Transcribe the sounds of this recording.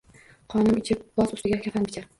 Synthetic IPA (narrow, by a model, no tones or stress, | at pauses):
qʰɒnɪmɪt͡ʃʰɪp̚bɒsʊst̪ɪɡʲakʲʰafanbʲɪt͡ʃʰa